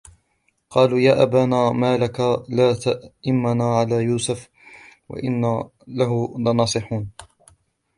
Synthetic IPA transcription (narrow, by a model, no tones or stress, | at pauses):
qɑːluːjaːʔabaːnaːmaːlakalaːt̪aʔʔɪmːanaːʕalaːjuːsʊf | wa̰ʔɪnːa | laɦʊlanɑːsˤɨħuːn